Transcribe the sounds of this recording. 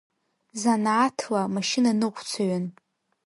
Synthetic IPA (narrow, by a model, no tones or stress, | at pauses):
zanʕatʰlamaʃɪnanɨqʷt͡sʰaɥan